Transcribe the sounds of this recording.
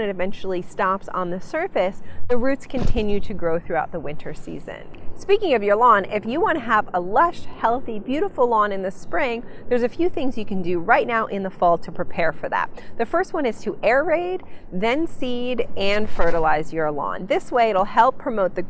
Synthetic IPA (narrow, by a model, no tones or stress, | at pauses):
nɨɾɨvɛ̃nt͡ʃl̩ˠistɑpsn̩ðɨsɜ˞fɨsðɨɹʉtskʰɨ̃ntʰɪ̃njʉɾɨɡɹoʊθɹʉaʊt̪̚ðəwɪ̃ntʰə˞sḭzɨ̰̃nspikɪ̃ŋʌvjə˞lɔ̃nɪfjɨwɑ̃nɨəvəlʌʃ̚hɛlˠθibjʉɾəfl̩ˠlɔ̃nɨ̃nðɨspɹɪ̃ŋðə˞zɨfjʉθɪ̃ŋzjɨkɨ̃n̩dɨɹaɪtⁿnaʊʔɪ̃nðəfɔlˠtʰəpʰɹ̥ipʰɛɹfə˞ðæ̰t̪̚ðɨfɜ˞st̚wʌ̃ñɨz̥tʰɨʔɛɹɹeɪd̚ðɨ̃nsiɾɨ̃nfɜ˞ɾəl̩aɪzjə˞lɔ̰̃nðɪsweɪɨɾl̩ˠhɛlˠpʰːɹ̥ɨmoʊt̪̚ðɨ